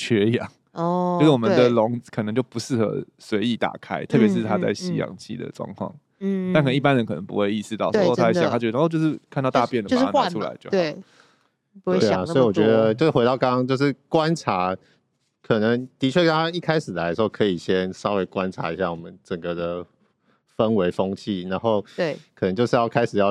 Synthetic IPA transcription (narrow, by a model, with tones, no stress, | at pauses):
t͡ɕʰɥɛ˧˥jɑ̰˨˩˦ŋ | ɔ˥˧˥wɔ˨˩mə˨˦d̪ə˨lʊ˧˦˥ŋkʰɤ˨nɤ˧˦ŋt͡ɕjo˥˩ʊpu˧˦ʂɻ̩˥˩xə̰˧˥swe˧˥ɪi˧˥t̪a̰˨˩kʰa˥ɪt̪ʰɤ˥˩pjɛ˧˥ʂ̬ɻ̩˥˩t̪ʰa˥t͡sa˥˩ɪɕi˧˥jɑ̰˨˩ŋt͡ɕʰḭ˥˩d̪ə̰˩ʈ͡ʂwɑ̰˥˧ŋkʰwɑ̰˥˩ŋ̩ | t̪a˥˩kʰə˨˩˧pa˦nɻə˧˦nkʰɤ˨˩nə˧ŋpṵ˧˦xwe˥˧ɪi˥˩sʂɻ̩˥˧t̪ɑ˥˨ʊsa̰˥˧˩t̪ʰa˥t͡ɕːt͡ɕjo˧ʂɻ̩˥˩k̪ʰt̪ɑ˥˧ʊt̪ʊpjɛ˥˩nd̪ə˨o˥nwa˥˨˥u˥la̰˧˦ɪt͡ɕjo˥ʊe˨˥˩ | pu˧e˥e˩˨a˨˩sɔ˥i˨˩wɔ˨˩ɥɛ˧˦d̪ə˧t͡ɕjo˥˧˥we˧˥t̪ɑ˥˩ʊkɑ˥ŋɑ˥ŋt͡ɕjo˥˧ʊʂɻ̩˥˩kwa˦nʈ͡ʂʰa˧˥ | kʰɤ˨˩nə˨˦ŋt̪i˧˥t͡ɕʰɥɛ˥˩kɑ˦˥a˥i˥˩kʰa˥ɪʂɻ̩˨˩la˧˥ɪʂ̩˧˥o˥˩kʰɤ˧i˨˩ɕjɛ˦nsɑ˥ʊwe˧˥ɪkwa˦nʈ͡ʂʰa̰˧˥i˧˥ɕja̰˥˩wɔ˨˩mə˦nt͡sə˨˩ŋɡə˩d̪ə˩ | fə˦nwe˧˥ɪfo˥ŋt͡ɕʰi˥˩na˧˦nxo˥˩ʊ˥˩kʰə˨˩nə˧˦ŋt͡ɕjo˥˧ʊʂɻ̩˥˧jɑ˥˩ʊkʰa˥ɪʂ̩˨˩jɑ˥˧